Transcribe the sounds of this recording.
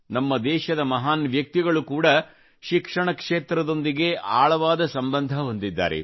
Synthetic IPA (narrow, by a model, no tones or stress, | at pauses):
nɐmːɐd̪ɛːʃɐd̪ɐmɐɦaːnʋjɐk̚t̪iɡɐɭukuːɽɐ | ʃikʂɐɳɐkʂeːt̪ɾɐd̪o̞nd̪iɡe̞ʔaːɭɐʋaːd̪ɐsɐmbɐnd̪ʱɐɦo̞nd̪id̪ːa̰ːɾḛ